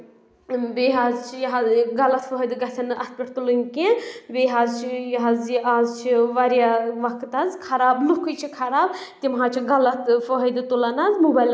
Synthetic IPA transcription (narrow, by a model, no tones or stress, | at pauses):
beːɦaːzt͡ʃʰijɐɦazɡɐlɐt̪fʰɔɦɐjd̪ɨɡɐt̪ʰɐnɐst̪̚pʲiʈʰt̪ulɨnkẽbeɦaːzt͡ʃʰijɐɦaːziaːzt͡ʃʰiʋɐɾjaʋɐkʰt̪ɐzkʰɐɾaːblukʰɨjt͡ʃʰikʰɐɾaːb | t̪imɦaːt͡ʃʰiɡɐlɐt̪fɔɦɐd̪ɨt̪ulɐnɐzmubɐjl